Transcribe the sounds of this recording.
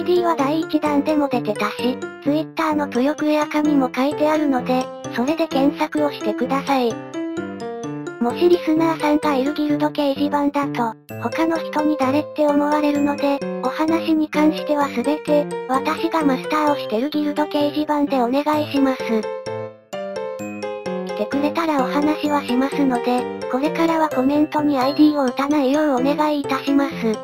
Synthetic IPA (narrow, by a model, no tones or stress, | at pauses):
id̪ʲiːβad̪aiːt͡ɕid̪ãnd̪e̞mo̞d̪e̞t̪e̞d̪aɕit͡sɨit̪ːaːno̞k̪ojo̞kɯ̟jakamʲimo̞kait̪e̞aɾɯ̟no̞d̪e̞so̞ɾe̞d̪e̞kẽ̞ɰ̃sakɯ̟o̞ɕi̥t̪e̞kɯ̟d̪asai | mo̞ɕiɾʲisɨnaːsãŋɡaeɾɯ̟ɡʲiɾɯ̟d̪o̞ke̞iʑibãnd̪at̪o̞ | ho̞kano̞çi̥t̪o̞ɲ̟id̪aɾe̞t̪ːe̞o̞mo̞βaɾe̞ɾɯ̟no̞d̪e̞o̞hanaɕiɲ̟ikãɰ̃ɕi̥t̪e̞β̞asɨbe̞t̪e̞βat̪aɕiɡamasɨ̥t̪aːo̞ɕi̥t̪e̞ɾɯ̟ɡʲiɾɯ̟t̪o̞ke̞iʑibãnd̪e̞o̞ne̞ɡaiɕimasɨ | kʲi̥t̪e̞kɯ̟ɾe̞t̪aɾao̞hanaɕiβaɕimasɨno̞d̪e̞ko̞ɾe̞kaɾaβako̞mẽ̞nt̪o̞ɲ̟iaid̪iːo̞ɯ̟t̪anaijo̞io̞ne̞ɡaiːt̪aɕimasɨ